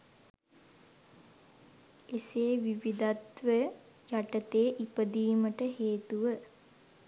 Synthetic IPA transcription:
eseːʋiʋid̪at̪ʋə | jaʈət̪eːʔipəd̪iːməʈəɦeːt̪uʋə

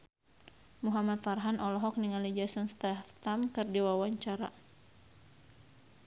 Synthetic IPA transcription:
muɦamat̪faɾɦanʔɔlɔɦɔk̚niŋalid͡ʒasɔnst̪aft̪amkɨrdiwawaɲt͡ʃaɾa̰

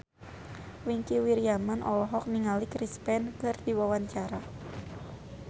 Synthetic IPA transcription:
wiŋkiwiɾiamanʔɔlɔɦɔk̚niŋalikɾispɛnkardiwawaɲt͡ʃaɾa

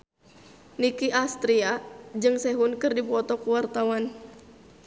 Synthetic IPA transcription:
nikiʔast̪ɾiad͡ʒɨŋsɛɦunkɨrdipɔt̪ɔkuwart̪awan

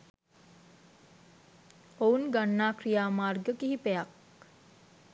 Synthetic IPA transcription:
ounɡanːaːkrijaːmaːrɡəkiɦipejak̚

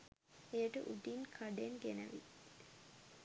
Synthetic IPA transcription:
ejəʈəʔuʈinkʰaɖenɡenə̰ʋḭ

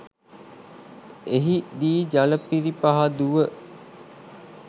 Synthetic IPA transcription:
eɦid̪iːd͡ʒaləpiɾipaɦad̪uʋə

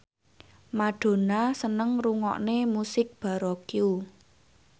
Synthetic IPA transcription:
maɖ̥o̤nasənəŋruŋɔ̰ʔnemusɪk̚b̥a̤ɾɔkiu

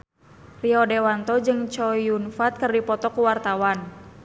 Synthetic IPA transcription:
riɔdewant̪ɔd͡ʒɨŋt͡ʃɔjunfat̪̚kɨrdipɔt̪ɔkuwart̪awan

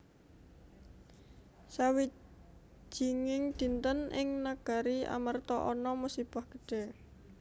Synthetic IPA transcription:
sawi̥ | ʒ̥i̤ŋɪŋd̪̥i̤nt̪ənʔɪŋnaɡ̥a̤ɾia̰mart̪ɔʔɔnɔmusib̥ahɡ̥ə̥ɖ̥e̤

